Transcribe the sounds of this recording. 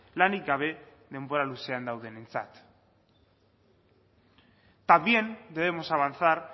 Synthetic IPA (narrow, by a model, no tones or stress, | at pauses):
lanik̚ɡaβ̞e̞ | ðe̞mbo̞ɾaluse̞and̪awð̞e̞nent͡sa̰t̪ | t̪abje̞nd̪eðe̞mo̞saβanθaɾ